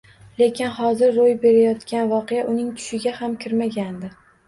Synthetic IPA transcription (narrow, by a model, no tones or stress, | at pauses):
le̞kʲɪnhɒzɪɾːojbe̞ɾajɒt̪kʲanvɒqejaʔʊnɪŋt̪ʰʊ̥ʃɪɡʲahamkʲʰɪɾmaɡʲand̪ɪ